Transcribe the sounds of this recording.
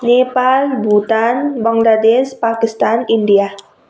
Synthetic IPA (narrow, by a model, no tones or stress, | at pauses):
nepalbut̪anbaŋladɛspakist̪anindia